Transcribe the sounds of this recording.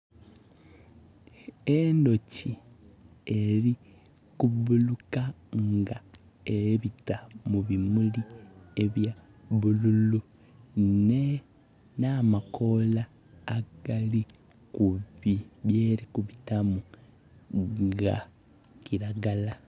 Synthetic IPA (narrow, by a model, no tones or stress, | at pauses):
endo̞ci | eɾi | kuβuluka | ŋɡa | eβitamuβimulieβja | βululu | ne | namako̞laː | ɡ̥ali | kuiβjeːɾikuβitamu | ŋɡa̰ | kiɾaɡala